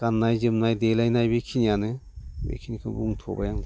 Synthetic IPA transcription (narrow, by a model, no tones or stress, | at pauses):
kanːajzɯmnajdelajnajbekʰinijanɯbḛkʰinikʰɯbuŋtʰobajaŋd